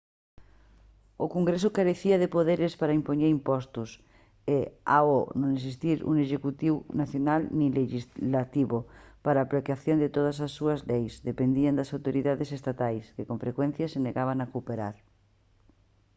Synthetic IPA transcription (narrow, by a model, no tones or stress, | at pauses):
okoŋɡɾesʊkaɾeθiɐðepoðeɾespaɾaimpoɲeɾimpɔst̪us | ea̰onõŋes̬ist̪iɾṵŋeʃekut̪iwnaθjonalnĩleʃizlat̪iβopaɾaːplekjaθjond̪et̪oð̞ɐs̬asːuɐzlejsðepend̪iɐnd̪ɐsawt̪oɾiðaðesest̪at̪ajskekõɱfɾekwɛ̃n̟θjɐseneɣaβanakupeɾa̰ɾ